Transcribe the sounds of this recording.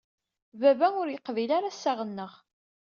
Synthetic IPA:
vævænʊɾjəqːvilaɾasːaʁənːəʁ

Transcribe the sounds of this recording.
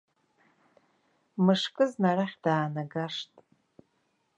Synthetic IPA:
mɨʂkʼɨznaraχʲd̥aːnaɡaʂtʼ

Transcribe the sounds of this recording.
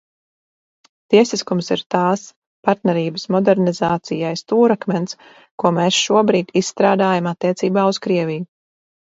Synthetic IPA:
t̪iɛsiskumsiɾt̪aːs | paɾt̪nɛɾiːbəsmɔd̪ɛɾnizaːt̪sijajst̪uːɾakmʲɛns | kuɔmeːsʃuɔbɾiːd̪̥ʲisst̪ɾaːd̪aːjamat̪ːiɛt̪siːbaːuskɾiɛvʲiju

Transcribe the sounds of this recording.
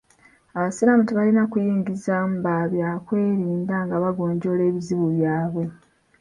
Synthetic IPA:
aβasiɾamutiβalinakujiːŋɡizam̩baβjakwe̞ːɾiːndaŋɡaβaɡo̞ːɲɟo̞ːle̞ːβiziβuβjaːβwe̞

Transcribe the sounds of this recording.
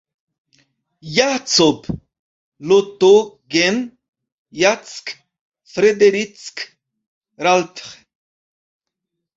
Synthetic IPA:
jat͡sob | lot̪oɡen | jat͡sk | fɾɛd̪eɾit͡sk | ɾalt̪χ

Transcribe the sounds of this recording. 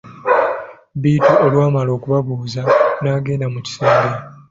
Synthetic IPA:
biːtuʔolwaːmalo̞ːkuβaβuːzanaːɡe̞ːndamuci̥seːmɡe

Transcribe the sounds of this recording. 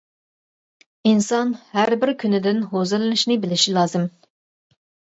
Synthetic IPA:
insɑnhæɾbɪɾkʲʰynɪd̪ɪnɦozɨlˠɨnɨʃnɪbɪlɪʃilˠɑːzɨm

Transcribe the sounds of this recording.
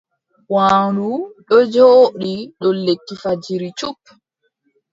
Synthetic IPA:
waːuɗɔd͡ʒoɗiɗɔlekːifad͡ʒiɾit͡ʃupː

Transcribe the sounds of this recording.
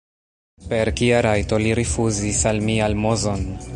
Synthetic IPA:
pe̞ɾkiaɾajto̞liɾifuzisalmialmozo̞n

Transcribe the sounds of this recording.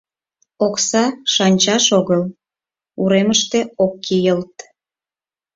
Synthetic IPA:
oksɑʃɑnʲt͡ɕɑʃoɣəl | uɾeməʃt̪eokːijəlt̪

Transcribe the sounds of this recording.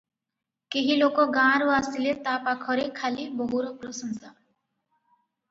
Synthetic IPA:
keɦilokoɡãɾuasilet̪apakʰɔɾekʰalibɔɦuɾɔpɾɔsɔnsa

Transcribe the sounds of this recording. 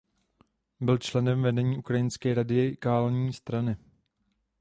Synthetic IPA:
bɪlt͡ʃlɛnɛmvɛdɛɲiːʔukɾajɪnskɛːɾadɪkaːlɲiːst̪ɾanɪ

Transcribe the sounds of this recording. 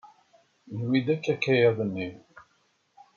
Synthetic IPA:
nwid̪ækːækːæjæðˤənːi

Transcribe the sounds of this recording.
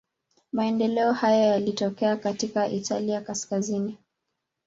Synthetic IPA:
maɛndɛlɛɔhajɔjalitɔkɛakatikaʔitʰaliakaskazini

